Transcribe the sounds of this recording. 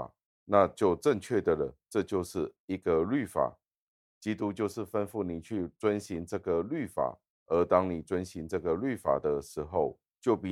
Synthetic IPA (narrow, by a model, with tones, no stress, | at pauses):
na˥˧t͡ɕjo˥˧ʊʈ͡ʂə˥˧ŋt͡ɕʰɥɛ˥˩d̪ə˩lə˩ʈ͡ʂɤ˥˧t͡ɕjo˥˧ʊʂɻ̩˥˩i˧˥ɡə˧ly˥˩fa̰˨˩˦ | t͡ɕi˥t̪u˦t͡ɕjo˥˧ʊʂɻ̩˥˩fə˦nfu˥˩ni˨˩t͡ɕʰy˥˩t͡swə˦nɕi˧˥ŋʈ͡ʂɤ˥˩ɡə˨ly˥˩fa̰˨˩˦ | ə˧˥t̪ɑ˥ŋni˨˩t͡swə˦nɕi˧˦ŋʈ͡ʂɤ˥˩ɡə˨ly˥˩fa̰˨˩d̪ə˦ʂɻ̩˧˥xo˥˧ʊ | t͡ɕjo˥˩ʊpi˨˦